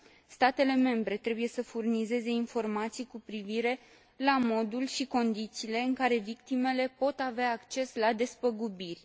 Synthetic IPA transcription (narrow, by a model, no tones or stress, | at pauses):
st̪at̪e̞le̞me̞mbɾe̞t̪ɾe̞buje̞səfurnize̞ze̞info̞rmat̪sijkupɾiviɾe̞ | lamo̞d̪ulʃiko̞nd̪it̪siːle̞ɨŋkaɾe̞vik̚t̪ime̞le̞po̞t̪aveaːkt͡ʃe̞slad̪e̞spəɡubirʲ